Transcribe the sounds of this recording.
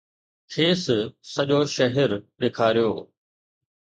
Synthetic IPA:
kʰeːssɐʄoʃɐɦɛɾɗeːkʰaːɾijoː

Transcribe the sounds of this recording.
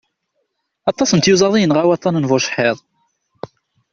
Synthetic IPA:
ɑt̪ˤːɑsənt̪juzˤɑðˤijənʁæwɑt̪ˤːɑnənvʊʃħeðˤ

